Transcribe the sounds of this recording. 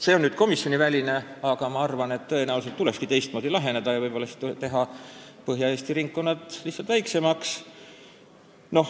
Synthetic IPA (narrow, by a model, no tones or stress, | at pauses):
se̞ːonnyːd̪̥̚ko̞misjo̞nivælʲine̞ɑɡ̥ɑmɑɑrvɑne̞t̪ːɤ̞enæulset̪ːuleskit̪e̞jst̪̚mo̞ːd̪ilɑɦe̞ned̪̥ɑjɑvɤjb̥o̞lːɑsi̥t̪ːut̪e̞ɦɑpɤɦjɑe̞ːst̪iɾiŋkːo̞nːɑt̪ˑlisːɑlt̪væjkse̞mɑks | no̞h